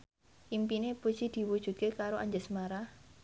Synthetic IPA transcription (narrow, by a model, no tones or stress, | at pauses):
impinebə̥t͡ʃid̪̥i̤wud̥ʒ̥ṳt̪̚kekaɾoʔaɲd͡ʒəsmaɾah